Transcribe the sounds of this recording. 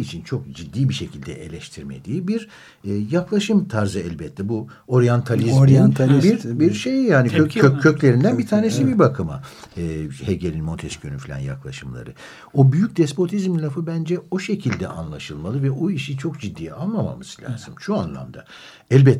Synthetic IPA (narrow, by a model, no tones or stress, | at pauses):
it͡ʃʰint͡ʃʰo̞k̚d͡ʒid̪ːiːbiʃe̞cʰilʲd̪ɛ̰ʔḛlʲɛʃt̪ʰiɾmed̪iːbiɾː | jaklˠaʃɯmt̪ʰaɾzɯɛlʲbɛt̪ʰːɛbu | o̞ɾjant̪ʰalʲizɾnbiɾbiɾʃe̞jijaːniøclʲe̞ɾind̪ænbit̪ʰaːnesibiɾbakʰɯma | ɯːheɟelʲinmo̞nt̪ʰɛʃkʰønyfilʲa̰nja̰klˠaʃɯmlˠa̰ɾɯ | o̞byjyc̚d̪ɛspo̞t̪ʰizmlʲafɯbænd͡ʒɛo̞ʃe̞cʰilʲd̪ɛ̰ʔa̰nlˠaʃɯlˠmalˠɯvɛoiʃit͡ʃʰo̞kd͡ʒid̪ːiːalˠmama̰mɯz̥lʲa̰ːz̥ɯmʃuanlˠa̰md̪a | ɛlʲbɛt̪ː